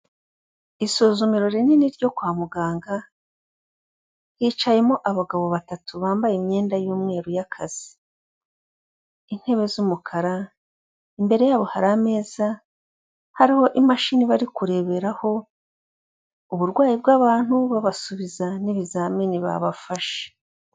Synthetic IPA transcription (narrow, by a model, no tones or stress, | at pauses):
isozumiɾo̞ɾeniniɾɟo̞kwaːmuɡaːŋɡa | hiːt͡ʃaje̞mo̞ʔaβaɡaβo̞βatatuβaːmbajimɲe̞ːndajuːmŋe̞ːɾujakʰaz̥i̥ | in̥he̞βe̞zumukʰaɾa | imbe̞ɾe̞jaːβo̞haɾame̞ːz̥a | haɾiho̞ʔimaʃiːniβaɾikuɾe̞βe̞ɾaho̞ | uβuɾɡwaːjibɡaːβaːn̥huβaβasuβizaniβizaminiβa̰βafaʃe̥